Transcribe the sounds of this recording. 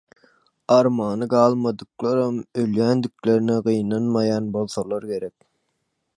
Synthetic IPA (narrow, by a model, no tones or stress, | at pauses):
ɑɾmɑːnɯɡɑːlˠmɑd̪ɯqlˠɑɾɑmøljænd̪ykʲleɾnɪʁijnɑnmɑjɑnbolˠθɑlˠɑɾkʰʲeɾɛk̚ʲ